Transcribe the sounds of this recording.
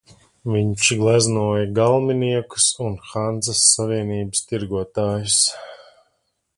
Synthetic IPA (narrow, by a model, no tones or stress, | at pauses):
viɲt͡ʃɡlˠæznuɔjaɡalˠminiɛku̥sunxand̪zɐsːaviɛniːbɐst̪iɾɡuɔt̪aːjus